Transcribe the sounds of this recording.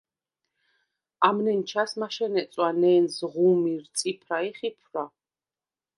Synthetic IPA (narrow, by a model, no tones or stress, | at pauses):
amnɛnt͡ʃʰasmaʃɛnɛt̪sʼwanɛːnzʁumiɾt̪sʼipʰɾaiχipʰɾa